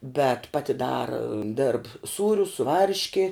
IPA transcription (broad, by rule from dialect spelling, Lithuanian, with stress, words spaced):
bʲɛt ˈpɑːtʲɪ ˈdɑːrɐ dʲeːrp ˈsuːrʲʊs sʊ ˈʋɐrʲʃʲkʲɪ